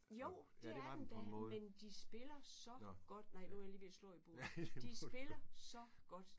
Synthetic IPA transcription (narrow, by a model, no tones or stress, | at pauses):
joʊ̰d̥eæɐnd̥æmend̥isb̥e̝lɐsɒ̽ɡ̥ɒ̽d̥nɑ̈ɪnujɐliːʋeslɔ̰ːib̥o̝̰ːd̥isb̥e̝lɐsɒ̽ɡ̥ɒ̽d̥